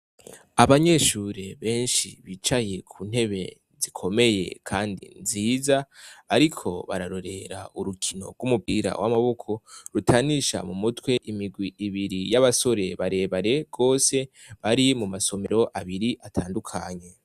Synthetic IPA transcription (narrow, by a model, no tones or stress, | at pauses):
aβaɲe̞ʃuːɾe̞βe̞ːnʃiβit͡ʃaje̞kʰuːn̥he̞βe̞ | zikʰo̞me̞je̞̰kʰaːndḭnziːzaːɾikʰo̞βa̰ɾaɾo̞ɾe̞ɾa̰uɾukʰino̞̰ɡumupiɾa̰wʔamaβo̞kʰo̞ɾutʰaniʃa̰mumutwe̞ʔimiɡwiʔːβiɾijaβaso̞ɾe̞βaɾe̞ːβaɾe̞ɡ̥o̞ːse̞ | βaɾimumaso̞me̞ɾo̞ʔaβiɾiʔatʰaːndukʰaɲe̞